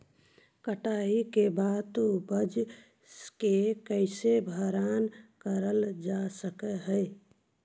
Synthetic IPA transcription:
kəʈaɦikebaːt̪obəd͡ʒ | kekəɪsebʱəɾankəɾəld͡ʒasəkəɦəɪ

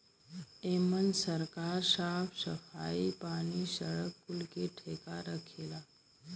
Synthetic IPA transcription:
emənsəɾkaːɾsapʰsəfa̰ipaɽ̃isəɭəkːulkeʈʰekaɾəkʰela

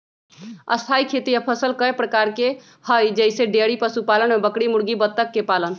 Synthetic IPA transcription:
ə̰st̪ʰajkʰet̪ijəpʰəsəlkəepɾəkaɾke | həjd͡ʒəjseɖeɽipəsupalənmebəkɽimuɽɡibət̪ːəkːepalən

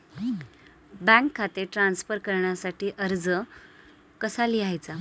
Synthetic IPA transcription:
bɛ̃kʰːat̪eʈɾansfəɾkəɾɳjasaʈiːʔəɾd͡zə | kəsaliajt͡sa

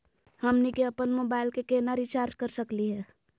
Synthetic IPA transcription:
həmnikeəpənmoːbaːɪlkekenaɾit͡ʃaːɾd͡ʒkəɾsəkliɦɛː

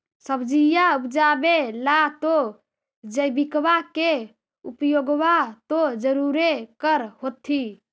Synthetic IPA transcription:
səbd͡ʒijaupd͡ʒabelat̪o | d͡ʒəjbikbake | upjoɡʋat̪od͡ʒəɾuɾekəɾɦot̪ʰi

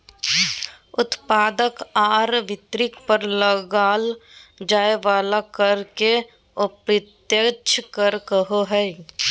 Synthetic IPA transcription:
ʊt̪paːd̪əkaːɾʋɪt̪ɾɪkpəɾləɡaːld͡ʒaːeʋaːlakəɾke | opɾɪt̪jət͡ʃʰkəɾkəɦoɦɛ

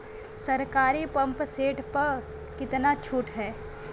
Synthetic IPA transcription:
sɐɾkaːɾipɐ̃mpseːʈpɐɾ | kɪt̪nat͡ʃʰuːʈɦɛː

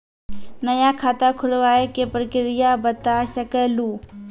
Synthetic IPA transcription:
nɐjakʰaːt̪akʰʊlʋaːekepɾəkɪɾɪjabət̪aʃəkəluː

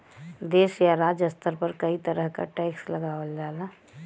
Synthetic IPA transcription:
d̪eːsjaɾaːd͡ʒəst̪əɾpəɾkəit̪əɾəɦka̰ʈɛɪksləɡaːwəld͡ʒaːla

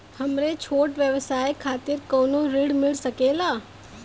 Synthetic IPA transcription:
hɐmɾet͡ʃʰoːʈʋjəʋsaːjkʰaːt̪ɪɾkoːnoɾiɽmɪlsəkeːlaː

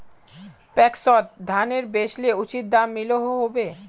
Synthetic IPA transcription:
pɛksɔt̪̚d̪ʱaneɾbeʃleut͡ɕit̪̚d̪amːiloɦoɦobe

